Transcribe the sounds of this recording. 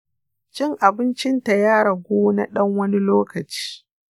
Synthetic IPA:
t͡ʃɪ˦ŋʔa˨bɪ˦nt͡ʃɪ˦nta˨jaː˦ɽɐ˨ɡʷoː˦na̰˦ɗɐ˦ŋwɐ˦ni˦loː˦kɐ˨t͡ʃi̥ː˦

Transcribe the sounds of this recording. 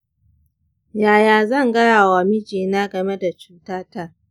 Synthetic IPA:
jaː˨jaː˨zɐ˦˨ŋɡɐ˦jaː˨wa˨mɪ˦d͡ʒeː˨naː˦ɡɐ˨me˦da˨t͡ʃuː˦taː˦ta˦˨

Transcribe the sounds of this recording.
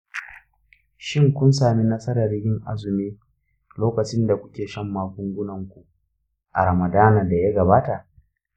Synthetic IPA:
ʃɪ˦ŋkʷʊ˦nsaː˨mi˦nɐ˦sɐ˦ɾɐ˨rjʲɪ˦ŋʔa̰˦zʊ˨meː˦ | loː˦kɐ˨t͡ʃɪ˦nda˨kʷʊ˦kʲeː˨ʃɐ˦mːaː˨kʷʊ˦ŋɡʷʊ˦nɐ˨ŋkʷu˨ʔ | ʔa̰˨ɾɐ˨mɐ˨daː˦naː˨da˨jaː˦ɡɐ˨baː˦ta˨ʔ

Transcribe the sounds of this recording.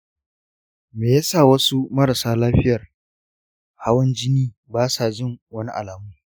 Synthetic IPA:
meː˨ja˦sa˦˨wɐ˦su˦mɐ˦ɾa˨saː˦laː˦ɸɪ˦jɐ˨r | ha˦wɐ˦nd͡ʒɪ˦niː˦ | baː˦sa˨d͡ʒɪ˦˨ŋwɐ˦ni˦ʔa̰˨laː˨mu˦

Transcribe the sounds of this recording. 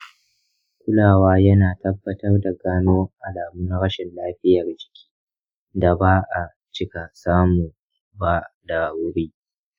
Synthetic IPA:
kʷʊ˦laː˨waː˦jɐ˦naː˨tɐ˦bːɐ˦tɐ˦rda˨ɡaː˦noː˦ʔa˨laː˨mʊ˦ŋɽɐ˦ʃɛ˨nlaː˦ɸɪ˦jɐ˨rd͡ʒɪ̥˨kʲʰi̥ː˦ | da˨baː˦ʔa˨ | t͡ʃɪ˦ka˨saː˦mu˨ | ba˦da˨wʊ˦ɾiː˦

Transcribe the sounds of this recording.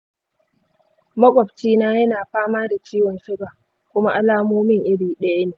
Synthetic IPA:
mɐ˦kʷʼɔ˨bt͡ʃiː˦naː˦jɐ˦naː˨ɸaː˦maː˦da˨t͡ʃiː˦wɔ˨nʃɪ˦baː˨ | kʷʊ˦ma˦ʔa˦laː˦muː˦mɪ˦˨ŋʔɪ˦biː˨ɗɐ˦jɐ˦neː˨

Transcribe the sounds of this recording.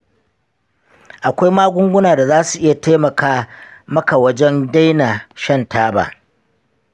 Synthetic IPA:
ʔa˨kʷa˦jmaː˦ɡʷʊ˦ŋɡʷʊ˦naː˨da˨zaː˦su˨ʔɪ˦ja˨ta˦jmɐ˨kaː˦mɐ˦ka˨wɐ˦d͡ʒɛ˦nda˦jna˨ʃɐ˦ntʰaː˦ba̰ː˨

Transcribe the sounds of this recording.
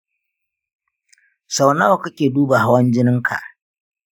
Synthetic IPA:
sa˨wna˦wa˨ka˦kʲeː˨duː˦ba˨ɦa˦wɐ˦nd͡ʒɪ˦nɪ˦ŋkʰa̰˨ʔ

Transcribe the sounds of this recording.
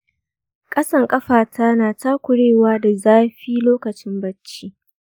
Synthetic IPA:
kʼɐ˦sɐ˦˨ŋkʼɐ˦ɸaː˨tʰa˦naː˨taː˦kʷʊ˨ɽeː˦˨waː˦da˨zaː˦ɸiː˦loː˦kɐ˨t͡ʃɪ˦mbɐ˦t͡ʃːiː˦

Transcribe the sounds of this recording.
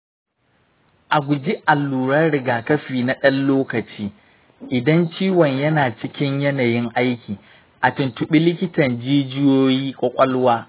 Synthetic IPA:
ʔa˨ɡʷʊ˨d͡ʒi˦ʔa˨lːuː˨ɾɐ˦rɽɪ˨ɡaː˨kɐ˦ɸiː˨na˦ɗɐ˦nloː˦kɐ˨t͡ʃiː˦ | ʔɪ˨dɐ˦nt͡ʃiː˦wɔ˨ɲjɐ˦naː˨t͡ʃɪ˦kʲɪ˦ɲjɐ˦na˨jɪ˦ŋʔa˦jkʲiː˨ | ʔa˨tʊ˨ntʊ˨ɓi˦lɪ˦kʲɪ˦tɐ˨nd͡ʒiː˦d͡ʒɪ˦joː˦jiː˦kʷʼɔ˦kʷʼɐ˦lwaː˦

